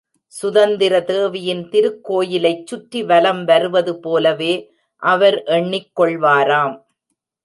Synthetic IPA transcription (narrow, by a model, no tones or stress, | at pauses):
sʊðɐnd̪ɪɾɐt̪eːʋɪjɪnt̪ɪɾɯkːoːjɪlɐɪt͡ʃːʊʈːiʋɐlɐmʋɐɾɯʋɐðɯpoːlɐʋeː | ʔɐʋɐɾʔɛɳːɪkːɔɭʋaːɾaːm